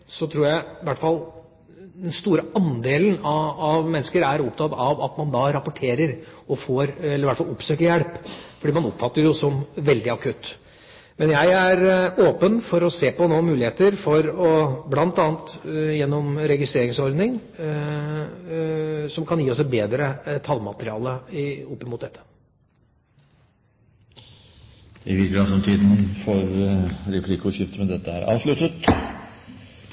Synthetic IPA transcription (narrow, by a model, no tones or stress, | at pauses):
sɔt̪ʰɾuːɾjæɪʋæʈːfɑlː | d̪ɛnst̪uːɾəɑnd̪eːlənɑɑʋmɛnːəskəɾæɾɔpt̪ʰɑt̪ɑʋɑ̰t̪mɑnd̪ɑɾɑpːɔʈʰeːɾəɾɔfoːɾɛlːəɾʋæʈfɑlɔpːsøːkəɾjɛɽpfɔɖiːmɑnɔpfɑt̪ːəɾjʊsɔmʋɛld̪ɪɑkʰʉt̪ː | mɛnjæɪæɾoːpənfɔɾɔseːpɔnoːmʉːlɪheːt̪əɾfɔɾɔblɑnt̪ɑːnt̪jɛnːɔmɾɛɡɪst̪ɾeːɾɪŋsɔɾd̪nɪŋ | sɔmkʰɑnjiːɔsbeːd̪ɾət̪ʰɑlmɑt̪əɾɪɑ̰ːləɔpːɪmʊt̪d̪ɛt̪ʰːə̥ | d̪̥ɛɪʋɪɾkəɾɑsɔmt̪ʰiːd̪n̩fɔɾɾɛpʰlɪkʊʂɪft̪əmɛnd̪ɛt̪ːəæɾʔɑ̰ːʋʂɭʉt̪ːət̪